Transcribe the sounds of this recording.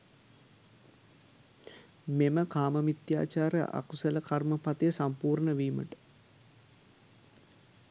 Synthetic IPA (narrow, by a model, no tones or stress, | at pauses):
meməkaːməmit̪ja̰ːt͡ʃaːɾə̰ʔa̰kusələkarməpat̪ejəsampuːɾɳəʋiːmə̰ʈə̥